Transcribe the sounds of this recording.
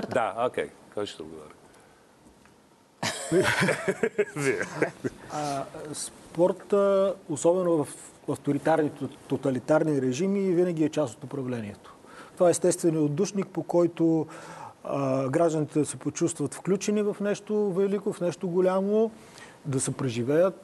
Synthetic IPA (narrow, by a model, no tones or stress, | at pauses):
d̪a̰okʲɛ̰jkɛt͡ʃɛ̥t̪ɛo̰d̪ɡovɔ̰ɾʲə | vi | spɔɾt̪əosɔbɛnovəf | ɐft̪oɾit̪aɾnit̪t̪ot̪ɐlit̪aɾniɾɛʒimiːvinəɡ̟iɛt͡ʃasot̪ʊpɾɐvlɛniɛt̪o̥ | t̪ovaɛɛst̪ɛst̪vɛniod̪uʃnik̚pokɔjt̪o | ɡɾaʒd̪ənit̪ɛd̪ɐsɛpot͡ʃust̪vɐt̪fklʲut͡ʃɛnivɐfnɛʃt̪ovɛlikofnɛʃt̪oɡolʲamo | d̪ɐsɛpɾɛʒivɛjət̪